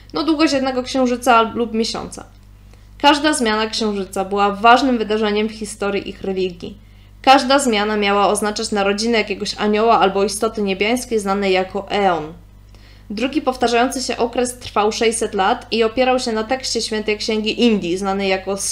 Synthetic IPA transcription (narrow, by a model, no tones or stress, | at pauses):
nɔd̪wuɡɔjɛd̪nɛɡɔkɕɛw̃ʐɘt̪salupmʲjeɕɔ̰nt̪sa̰ | kaʐd̪azmʲjanakɕɛ̃w̃ʐɘt̪sabɘwavaʐnɘmvɘd̪aʐɛɲɛmfxʲist̪ɔɾʲjiʔixɾɛlʲiɡʲjḭ | kaʐd̪azmʲjanamʲjawaɔznat͡ʂat͡ɕnaɾɔd͡ʑinɛjakʲɛɡɔɕa̰ɲɔwaalbɔist̪ɔt̪ɘɲebʲjaj̃skʲejznanɛjakɔʔɛɔn | d̪ɾuɡʲipɔft̪aʐajɔnt̪sɘɕɛ̰ʔɔkɾɛst̪ɾfawʂɛjsɛt̪lat̪iɔpʲjɛɾawɕɛnat̪ɛkɕt͡ɕɛɕfʲjɛnt̪ɛjkɕɛŋɡʲiʔind̪ʲjiznanɛjakɔ